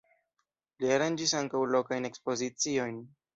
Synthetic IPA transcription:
liaɾand͡ʒisaŋkawlo̞kajne̞kspo̞zit͡sio̞jn

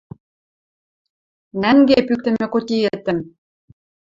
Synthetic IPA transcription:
næŋɡepyk̚t̪ɘ̆mĕkot̪ʲiet̪ːə̆m

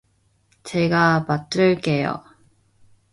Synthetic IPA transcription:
t͡ɕeɡamat͈ɯɭk͈ejo̰

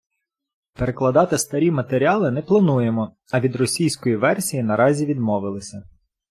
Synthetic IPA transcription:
peɾeklˠɐd̪ɑt̪ɪst̪ɐɾʲimɐt̪eɾʲɑlˠɪnɛplˠɐnujemɔ | ɐʋʲid̪ɾɔsʲijsʲkɔjiʋɛrsʲijinɐɾɑzʲiʋʲid̪mɔʋɪlˠɪsʲɐ

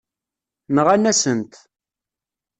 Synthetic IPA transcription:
nəʁænːæsənt̪

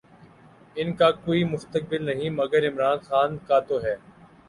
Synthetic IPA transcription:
ɪnkakoːimʊst̪ək̚bɪlnɐɦĩmɐɡəɾɪmɾaːnxaːnkaːt̪oːɦɛː

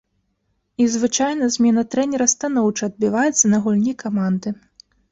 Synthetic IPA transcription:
izvɨt͡ʂajn̪ɐzʲmʲɛnɐt̪ɾɛnʲɛɾɐst̪anɔwt͡ʂɐɐd̪̚bʲivajɛt̪sːɐnɐɣulʲnʲikamand̪ɨ

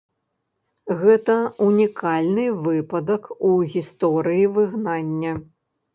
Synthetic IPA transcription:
ɣɛt̪ɐunʲikʰalʲnɨvɨpɐd̪ɐkuɣʲist̪ɔɾɨjivɨɣnanʲːɐ

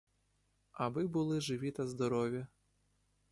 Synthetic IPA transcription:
ɐbɪbʊlˠɪʒɪʋʲit̪ɐzd̪ɔɾɔʋʲjɐ

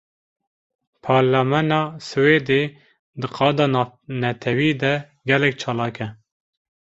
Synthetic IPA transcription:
pʰɑːɾlamɛnɑːsɨweːd̪e | d̪ɨqʰɑːd̪ɑːnɛt̪ʰɛwiːd̪ɛ | ɡɛlɛk̚t͡ʃʰɑːlɑːkɛ

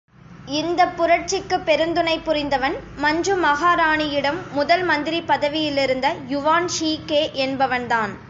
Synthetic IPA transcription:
ɪnd̪ɐpːʊɾɐʈ̚t͡ʃɪkːɯpːɛɾɯnd̪ɯnɐɪpːʊɾɪnd̪ɐʋɐnmɐɲd͡ʒɯmɐɣaːɾaːɳɪjɪɽɐmːʊðɐlmɐnd̪ɪɾipːɐðɐʋɪjɪlɪɾɯnd̪ɐjʊʋaːnʂiːkeːʔɛnbɐʋɐnd̪aːn

